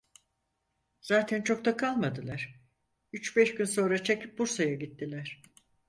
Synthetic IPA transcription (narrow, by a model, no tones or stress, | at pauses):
z̥aːt̪ʰænt͡ʃʰo̞k̚t̪akʰalˠmad̪ɯlˠaɾ̥ | yt͡ʃbɛʃɟynso̞nɾat͡ʃʰe̞cʰip̚buɾsajaɟit̪ːilʲæɾ̥